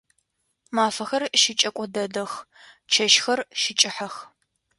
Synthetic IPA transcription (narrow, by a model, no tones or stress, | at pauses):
maːfɐxɐrʃɪt͡ʃʼɐkʷʼɔdɐdɐx | t͡ʃʰɐʃxɐrʃɪt͡ʃʼɪħɐx